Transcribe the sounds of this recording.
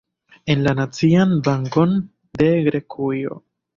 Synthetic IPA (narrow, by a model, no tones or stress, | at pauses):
e̞nlanat͡sianbaŋko̞n | de̞ɡɾe̞kʰujo̞̰